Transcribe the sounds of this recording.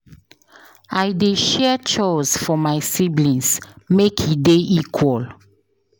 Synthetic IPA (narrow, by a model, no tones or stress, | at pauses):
ajdeʃɛt͡ʃɔsfɔmaɪsiblĩnsmekʰideʔikʰwɔl